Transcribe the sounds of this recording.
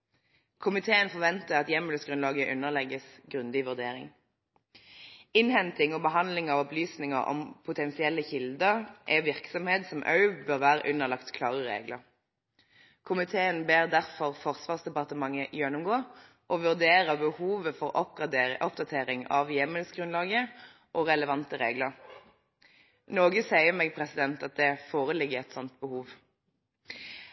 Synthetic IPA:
kʰʊmɪt̪ʰeːənfɔʁʋɛnt̪əʁɑt̪jɛməlsɡʁʉnlɑːɡəʔʉnəʁlɛɡəsɡʁʉnd̪ɪʋʉʁd̪eːʁɪ̰ŋ | ɪnhɛnt̪ɪŋoːbəɦɑnlɪŋɑːʋɔplyːsnɪŋəʁʔɔ̰mpʰʊt̪ʰɛnsɪɛlːəçɪld̪əʁʔɛ̰ʋɪʁksɔmheːt̪sɔmʔɑ̰ʉbøːʁʋæːʁʉnəʁlɑkt̪kʰlɑːʁəʁḛːɡləʁ | kʰʊmɪt̪ʰeːənbeːʁd̪æʁfɔʁfɔʁsʋɑːʁsd̪ɛpɑʁt̪əmɑŋːəjɛnːʊmɡoː | ʔɔʋʉʁd̪eːʁəbəhuːʋəfɔʁʔɔp̚ɡʁɑd̪ʔɔp̚d̪ɑt̪ʰeːʁɪŋɑ̰ʋjɛməlsɡʁʉnlɑːɡə | ʔɔːʁɛləʋɑnt̪əʁeːɡləʁ | noːɡəsæɪəmɛːɡ̚pʰʁɛsɪd̪ɛnt̪ɑt̪̚d̪ɛfoːʁəlɪɡəɛt̪sɔnt̪̚bəhuːʋ

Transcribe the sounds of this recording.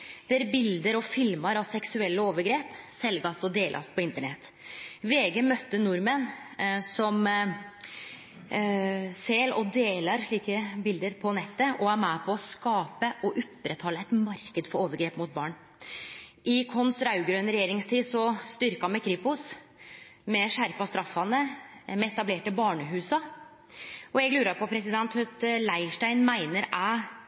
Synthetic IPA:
d̪̥ɛæɾbɪld̪əɾɔfɪlmɑɾɑʋsɛksʉɛlːəoːʋəɾɡɾeːpsɛlɡɑst̪ɔd̪eːlʔɑ̰st̪pʰɔɪnt̪əɳɛt̪ː | ʋeːɡəmœt̪ːənʊɾmənsɔm | seːlɔd̪eːlɑɾʂɭiːkəbɪld̪əɾpʰɔnɛt̪ːəʔɔæɾmæpʰɔːskɑːpəʔɔʔʊpːɾʔət̪ʰhɑːlːəɛt̪mɑɾkəd̪fɔɾoːʋəɾɡɾeːpmʊt̪̚bɑːɳ | ʔɪkʰɔnsɾɑʉɡɾøːnəɾɛjeːɾɪŋst̪ʰiːsɔst̪ʏɾkɑmɛkʰɾɪːpʊs | mɛʂæɾpɑst̪ɾɑfːɑnəmɛɛt̪ɑbleːʈəbɑːɳəɦʉːsɑ | ʔɔɛɡlʉːɾɑɾpʰɔpʰɾɛsɪd̪ɛnt̪hœt̪læɪʂʈæɪnmæɪnəɾæ

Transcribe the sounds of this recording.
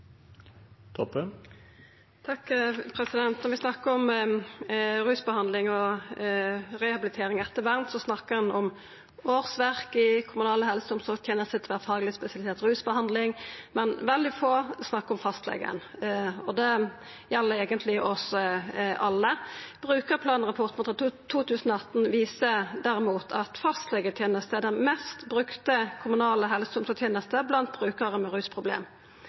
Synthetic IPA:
t̪ʰɔpːə | t̪ʰɑkːpʰɾɛsɪd̪ɛnt̪nɔɾʋɪsnɑkːəɾɔm | ɾʉːsbəhɑnd̪lɪŋɔ | ɾɛhɑbɪlɪt̪ʰeːɾɪŋɛt̪ːəʋæʁnt̪sɔsnɑkːəɛnɔm | oːʁsʋæʁkɪkʰʊmʉnɑːləhɛlsəɔmsɔt̪ʰjɛnəsɪt̪ʰʋæːʁfɑːɡlɪspɛsɪɑlɪseːt̪ʁʉːsbəhɑnd̪lɪŋmɛnʋɛld̪ɪfoːsnɑkːɔmfɑst̪lɛ̰ɡə̰nɔd̪ɛ | jɛlːəɾeːɡənt̪ʰlɪʔɔs | ʔɑlːəb̥ʁʉːkəpʰlɑːnʁɑpʰɔʁt̪mt̪ɑt̪ʰːuːt̪ʰʉːsənɔɑt̪n̩ʋiːsəd̪æɾɪmuːt̪ʰɑt̪fɑst̪lɛɡət̪ʰjeːnəst̪əɛd̪ɛnmɛst̪bʁʉkt̪əkʰʊmʉnɑːləɦɛlsəʊmsɔt̪ʰjeːnəst̪əblɑnt̪̚b̥ʁʉːkəʁəmɛʁʉːspʰʁʊblḛːm

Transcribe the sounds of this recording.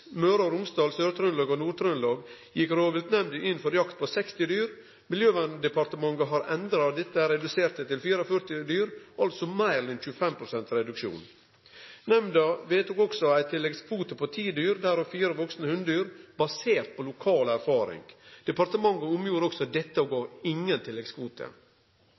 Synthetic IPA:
møːɾɑɾʊmst̪ɑːlsøːɾt̪ʰɾœnlɑːɡonuːt̪ʰɾœnlɑːɡ | jɪkɾoːʋɪlt̪nɛmd̪əʔɪnfɔɾjɑkt̪̚pʰosɛkst̪ɪd̪yːɾ | mɪljøːʋɑnd̪ɛpɑɾt̪əmɑŋɡəɦɑɾɛnd̪ɾɑd̪ɛt̪ːəɾɛd̪ʉseːɾt̪ət̪ɪlfiːɾəfœɾt̪ɪd̪yːɾʔɑlt̪sɔmæɪɾɛnçʉːəfɛmpʰɾʊsɛnt̪ɾɛd̪ʉkʃṵːn | nɛmd̪ɑʋeːt̪ʊkɔksɔæɪt̪ʰɪlːɛɡskʰʋuːt̪əpʰot̪ʰiːd̪yːɾd̪æːɾɔfiːɾəʋɔksnəhʉnd̪yːɾbɑseːɾt̪̚pʰoːlʊkʰɑːlæɾfɑːɾɪ̰ŋd̪̥ɛpɑɾt̪əmɑŋːəʊmjuːɾɔksɔd̪ɛt̪ːəoɡoːɾɪŋːənt̪ʰɪlːɛɡskʰʋuːt̪ʰə̰

